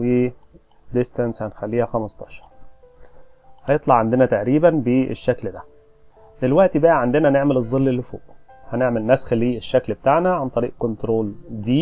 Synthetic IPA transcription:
eː | d̪est̪ænshænxælːiːhæxæmɑst̪ˤɑʃɑ̥ɾˤ | hɑjet̪ˤlɑʕand̪enæt̪aʔɾiːbænbeḛʃːækld̪æ | d̪elwæʔt̪ibæʔæʕand̪enæhneʕmelɨzˤːelːelːɪfo̰ːʔhæneʕmelnːæːsxælːiːʔeʃːæklbet̪aʕnæʕant̪ˤɑɾḭːʔkont̪ɾoːld̪iː

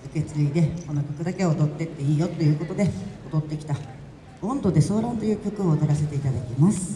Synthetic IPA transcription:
ɯ̟ke̞t͡sɨɾʲiid̪e̞konːokʲo̞kɯ̟d̪ake̞od̪o̞t̪ːe̞t̪ːe̞iːjo̞t̪o̞jɯ̟ːkot̪o̞d̪e̞od̪o̞t̪ːe̞kʲi̥t̪a | b̥õ̞nd̪o̞d̪e̞so̞ːɾãnt̪o̞jɯ̟ːkʲo̞kɯ̟o̞ːt̪eɾase̞t̪e̞it̪ad̪akʲimasɨ̥

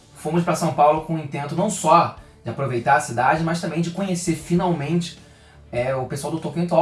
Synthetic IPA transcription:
fõmʊspɾɐsɐ̃w̃pawlʊkõĩnt̪ẽnt̪ʊnɐ̃w̃sɔ | d͡ʒɪapɾovejt̪aɾɐsid̪ad͡ʒɪmɐʃt̪ɐ̃mbẽj̃d͡ʒɪkõɲeseɾfinawmẽnt͡ʃɪ̥ | ɛʊpesuawd̪ʊt̪õkẽt̪ɔ

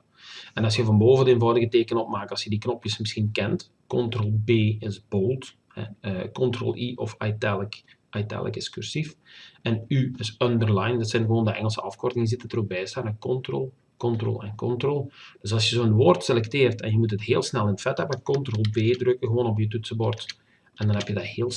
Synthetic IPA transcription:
ɛnɑsjəvɑnboːvəndəeːnvɑwdəɣəteːkənɔpmaːk̚ɑsjədiknɔpjəsməsxinkɛnt | kɔntrolˠbeːɪzboːlˠt | hɛ̰əkɔntro̰lˠʔiʔɔ̰fa̰jtɛlək | ʔajtɛ̰lˠə̰kɪskyrsifɛnyɪsœndərlajndɑtsɛnɣəʋoːndəʔɛ̰ŋəlˠsəɑfkɔrtɪŋəz̬ɪtətərobɛjstaːnɛkɔntro̰lˠ | kɔntro̰ːlˠɛnkɔntrolˠd̥øsɑlˠsjəzoːənʋoːrtselɛkteːrtɛnjəmut̬ətɦeːlˠsnɛlˠɪntfɛtəbɔkɔntroːlˠbeːdrøkəɣəʋoːnɔpjətytsəbɔrt | ʔɛndɑnɦɛpjədaheːlˠ

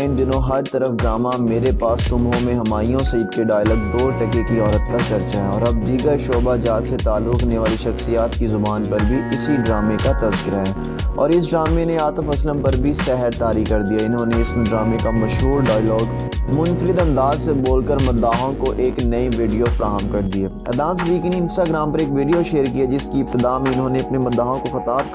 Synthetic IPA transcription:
ɪ̃nd͡ʒɪnõɦɐɾt̪ɐɾəfɖɾaːmameːɾepaːst̪ʊmɦõmẽɦɐmaːijõsɐjɪd̪keɖaːjlɔːɡ̚d̪oːɾʈɛkekiɔːɾət̪kat͡ʃɐɾt͡ʃaɦɛɔːɾɐb̚d̪iːɡəɾʃoːbad͡ʒaːt̪set̪aːlːʊkneʋaːliʃɐxsijaːt̪kizʊbaːnpɐɾbʱiɪsiɖɾaːmekat̪ɐzkɪɾaɦɛː | ɔ̰ːɾɪsɖɾaːmeneaːt̪əfɐsləmpɐɾbʱisɛɦɛɾt̪aːɾikɐɾd̪ijaɪnɦõneɪsmẽɖɾaːmekamɐʃɦuːɾɖaːjlɔːɡ | mʊnfəɾɪd̪ɐ̃nd̪aːzseboːlkəɾmʊd̪ːaːɦõkoʔeːknɐiʋiːɖijofɾaːmkɐɾd̪ieːɐ̰d̪ãːnsɪd̪iːkiniɪ̃nsʈaːɡɾãːmpɐɾeːkʋiːɖijoʃeːɾkijad͡ʒɪskiɪb̚t̪ɪd̪aːmẽɪnɦõːneɐpnemʊd̪ːaːɦõkoxɐt̪aːb̚

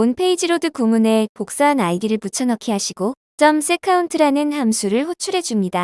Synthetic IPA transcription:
onpʰe̞id͡ʑiɾodɯkumune̞pok̚s͈aɦanaɭɡiɾɯɭput͡ɕʰʌnʌkʰiɦaɕʰiɡo | t͡ɕ͈ʌmsʰekʰauntʰɯɾanɯnhamsʰuɾɯɭɸot͡ɕʰuɾɦe̞d͡ʑumɲida

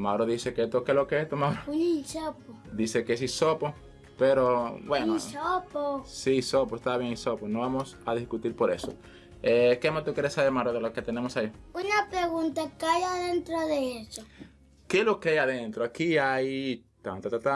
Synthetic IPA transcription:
maɾoðiseket̪okelokeest̪omaɾounisopo | d̪isekes̬isopo | peɾobwenosoposisopoest̪aβjeŋisoponoβamosaðiskut̪iɾpoɾḛso̰ | ekemast̪ukjeɾesaβeɾmaɾoðeloket̪enemosaiunapɾeɣunt̪akajaðent̪ɾoðeeso | kelokeajaðent̪ɾoakiaj | t̪ant̪at̪at̪a

